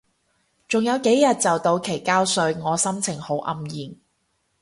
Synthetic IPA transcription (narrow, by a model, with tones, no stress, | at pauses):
t͡sʊ˨˩ŋjɐ˨˧wke˨˥jjɐ˨t̚t͡sɐ˨wt̪o˧wkʰe˨˩jkaː˥wsɵ˧ɥŋɔː˨˧sɐ˥mt͡sʰɪ˨˩ŋho˨˥wʔɐ˧mjiː˨˩n